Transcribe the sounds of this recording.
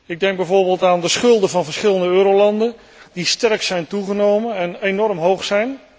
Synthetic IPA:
ɪɡ̚dɛŋɡ̚bɛjvoːɹbeːlˠtaːndəsχɵlˠdəvɑnvəɹsχɪləndəøːɾowlɑndən | distɛɹksɛjntuχənowmənɛnenɔɹmɦowχsɛjn

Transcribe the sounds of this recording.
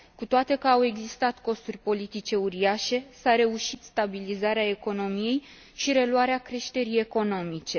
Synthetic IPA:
kut̪oat̪e̞kəawe̞ɡzist̪at̪ko̞st̪urʲpo̞lit̪it͡ʃe̞uɾiaʃe̞saɾe̞uʃit̪st̪abilizaɾeae̞ko̞no̞mije̞j | ʃiɾe̞luaɾeakɾe̞ʃt̪e̞ɾije̞ko̞no̞mit͡ʃe̞

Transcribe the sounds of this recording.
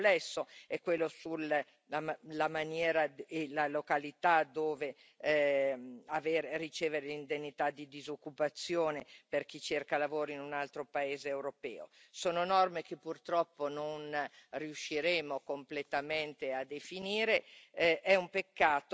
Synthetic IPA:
plɛsːoɛkːwelːosul | alamanjɛːɾaelalokalit̪ad̪oːve | aveːɾerit͡ʃeːveɾelind̪enːit̪ad̪id̪izokːupat̪sːjoːneperk̟it͡ʃerkalavoːɾiinunalt̪ɾopaeːzeːwɾopɛːo̰soːnonɔrmekepːurt̪ɾɔpːononriuʃːiɾeːmokomplet̪ament̪ead̪efiniːɾeʔɛumpekːaːt̪o

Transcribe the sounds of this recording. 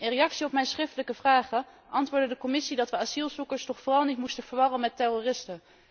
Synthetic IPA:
ɪnrejɑksiɔpmɛjnsχrɪftələkəvraːχə | ʔɑntʋʊːɹdədəkɔmɪsidɑtʋəazilˠzukəɹstɔχfoːrɑlˠnitmustənv̥əɹʋɑrənmɛtɛrorɪstə

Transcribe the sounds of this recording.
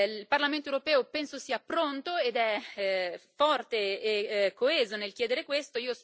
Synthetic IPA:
lparlament̪oewɾopɛːopɛnsosiːapɾont̪oed̪ɛ | fɔrt̪eː | kːoɛːzonelkjɛːd̪eɾekwest̪oiːos

